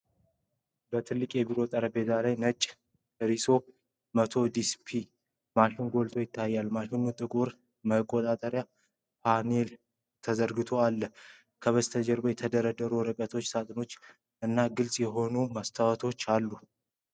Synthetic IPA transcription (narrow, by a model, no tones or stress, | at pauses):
bət̪ʰɨlːɨkʼjɛbiɾo̞t̪ʼəɾəbe̞zʰalajnət͡ʃʼː | ɾiso̞ | mət̪ʰo̞d̪ispʰi | maʃɪnɡo̞lt̪ʰojɪt̪ʰːajːalmaʃɪnut̪ʼɨkʼuɾ | məkʼːot̪ʼat̪ʼəɾja | pʰane̞l | t̪ʰəzəɾɡɨt̪ʰo̞alːə | kʰəβəst̪ʰəd͡ʒɛɾbojɛt̪ʰəd̪əɾəd̪əɾuɾɨkʼət̪ʰo̞t͡ʃːsat̪ʼɨno̞t͡ʃː | ɨnːaɡɨlsʼjɛɦo̞numast̪ʰawət̪ʰo̞t͡ʃːalːu